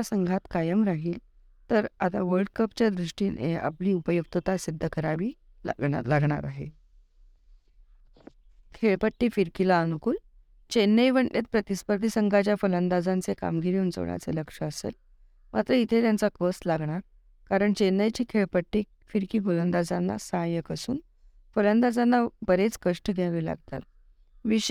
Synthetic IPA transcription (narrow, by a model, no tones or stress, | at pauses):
asəŋɡʱat̪kajəmɾaɦiːl | t̪əɾat̪aʋəɾɖkəpt͡ɕjad̪ɾuʂʈiːnḛa̰pliːupəjuk̚t̪ət̪asid̪ʱːəkəɾaʋiː | ɡ̰laɡɳa̰ɾaɦe | kʰeɭpəʈːiːfiɾkilaənukuːl | t͡ɕenːəjʋəɳlʔet̪̚pɾət̪ispəɾd̪isəŋɡʱat͡ɕjafələnd̪ad͡zant͡seka̰mɡiɾiuːnt͡so̰ɳja̰t͡sḛləkʂəəsḛl | mʔat̪ɾəit̪ʰet̪jant͡sakəslaɡɳaɾ | kaɾəɳt͡ɕenːəjt͡ɕiːkʰeɭpəʈːi | fiɾkiːɡolənd̪ad͡zanːa̰sãjəkəsṵːn | fələnd̪ad͡zanːabəɾet͡skəʂʈəɡ̪ʱeluːla̰ɡt̪a̰t̪̚ | ʋiɕ